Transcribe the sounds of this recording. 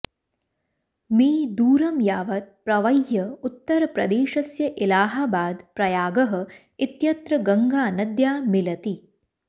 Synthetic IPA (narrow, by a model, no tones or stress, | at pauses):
miːd̪uːɾɐmjaːʋɐt̪̚pɾɐʋɐjjɐut̪ːɐɾɐpɾɐd̪eːʃɐsjɐʔilaːɦaːbaːd̪pɾɐjaːɡɐɦɐ̆ | it̪jɐt̪ɾɐɡɐŋɡaːnɐd̪jaːmilɐt̪i